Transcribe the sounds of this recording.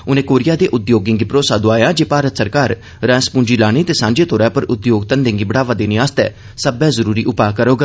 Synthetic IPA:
ʊnẽːkoːɾɪjaːd̪eːʔʊd̪joːɡɪ̃ŋɡipɾoːsaːd̪õːaːjãːd͡ʒeːpaːɾət̪səɾkaːɾ | ɾɛ̃ːspũːnd͡ʒiːlaːñiːt̪eːsãːnd͡ʒeːt̪ʰoːɾɛːpəɾʊd̪joːɡt̪ənd̪ẽːŋɡiːbəɽaːʋãːd̪eːnĩːaːst̪ɛ̰ː | səbɛ̃ːzəɾuːɾiːʔʊpaːkəɾoːɡa

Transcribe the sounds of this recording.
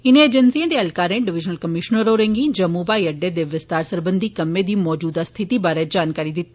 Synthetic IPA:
ɪnẽeːd͡ʒənsijãːd̪eːəlkaːɾẽːɖɪʋɪd͡ʒnəlkəmɪʃnəɾoːɾẽŋɡiːd͡ʒəmuːbaːiːəɖːeːd̪eːʋɪst̪aːɾsəɾbənd̪iːkəmːẽːd̪iːmɔːd͡ʒuːd̪aːst̪ʰɪt̪iːbaːɾeːd͡ʒaːnkaːɾiːd̪ɪt̪ː

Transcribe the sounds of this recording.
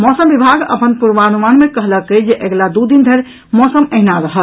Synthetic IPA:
mɔsəmbibʱaɡə̰pənpuɾʋanumanmekəɦləkəd͡ʒeʔeɡlad̪ud̪ind̪ʱeɾ | mɔsəməɦnaɾəɦəl

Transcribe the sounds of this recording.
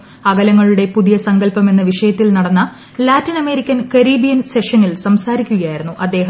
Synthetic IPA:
ɐɣɐlɐŋːɐɭuɽe̞puðijɐsɐŋɡɐlpɐme̞nːɐʋiʂɐjɐt̪ːilnɐɽɐnːɐ | laːtːinɐme̞ɾikʲːɐnkɐɾiːbijɐnseʂɐnilsɐmsaːɾikʲːuɣɐjaːjiɾunːuʔɐd̪ːe̞ːɦɐ

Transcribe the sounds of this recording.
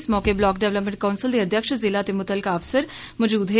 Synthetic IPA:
smɔːkeblɔːk̚ɖeʋləpmə̃ɳʈ̚kɐʊnsɪld̪iɐd̪ʱjəkʃzɪlat̪emʊt̪əlkaɐfsəɾ | mɔd͡ʒuːd̪ɦe

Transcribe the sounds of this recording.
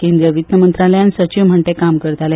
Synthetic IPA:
kẽnd̪ɾijəʋit̪nəmənt̪ɾaljansət͡ɕiʋm̤əɳʈ̪ekamkəɾt̪ale

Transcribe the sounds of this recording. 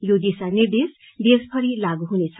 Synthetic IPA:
jod̪esaned̪es | d̪espʰʌɾilaɡuɦunet͡sʰʌ

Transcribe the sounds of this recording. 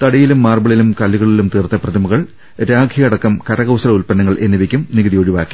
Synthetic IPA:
t̪ɐɽɐjilumːaːrbɐɭilumkɐlːiɣɐɭilumt̪iːrt̪ːɐprɐd̪ʱɐmuɣɐɭ | ɾaːɡʱiɐɽɐkːɐmkɐɾɐɣɐwsɐrɐulpɐnːɐŋːɐɭʔe̞nːiʋikʲːumniɣɐðijoːɻiʋaːkːi̥

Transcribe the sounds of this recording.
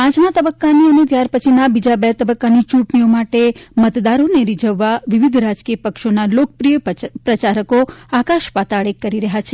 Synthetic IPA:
ãd͡ʒmãt̪əbəkːaniənet̪jaɾpət͡ʃʰinabid͡ʒabɛt̪əbəkːanit͡ʃũʈniomaʈemət̪d̪aɾoneɾid͡ʒəʋːaʋiʋid̪ʱɾad͡ʒkijəpəkʃonalokəpɾijəpɾət͡ʃaɾəkoakaʃpat̪aɭekːəɾiɾəɦat͡ʃʰe

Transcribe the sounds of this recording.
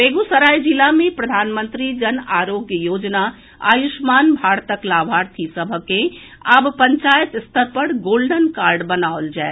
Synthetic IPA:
beɡusəɾaːjd͡ʒilamẽpɾəd̪ʱaːnmə̃nt̪ɾid͡ʒənaːɾoɡjəjoːd͡ʒna | a̰juʃmaːnbʱaːɾt̪əklaːbʱaːɾt̪ʰisəbʱəkẽ | əbpəɲt͡ʃaːjət̪st̪ʰəɾpəɽɡoːlɖənkaːɾɖbənaʊld͡ʒae

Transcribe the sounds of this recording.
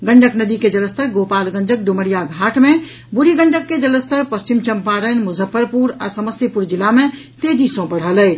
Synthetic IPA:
ɡə̃ɳɖəknəd̪iked͡ʒələst̪ʰəɾɡopalɡəɳɖək̚ɖuməɽijaɡʱaʈme | buɾiɡəɳɖʱəkːed͡ʒələst̪əɾpəst͡ʃimt͡ʃəmpaɾənmuzʱəpːəɾpuɾa̰səməst̪ipuɾd͡ʒilame | t̪ed͡ʒisõbəɽ̤ɦələj

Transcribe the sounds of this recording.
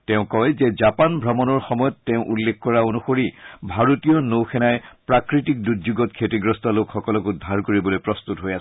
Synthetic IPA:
tɛʊ̃kɔjzɛzapanbʱɹɔmɔnɔɹxɔmɔjɔtːɛʊ̃ʔulːekkɔɹaonuxoɹibʱaɹotijɔnowxʰɛnajpɹakɹitik̚duzuɡɔtkʰetiɡɹɔstalokxɔkɔlɔkudʱːaɹkoɹibɔlojpɹɔst̪utɦojas

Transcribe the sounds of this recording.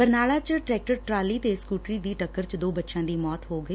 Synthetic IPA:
pəɾnaːlaːt͡ʃʈɾɛːk̚ʈəɾʈɾaːliːt̪eːskuːʈɾiːd̪iːʈəkːəɾt͡ʃd̪oːbətːʃãːd̪iːmɔːt̪ɦoːɡəiː

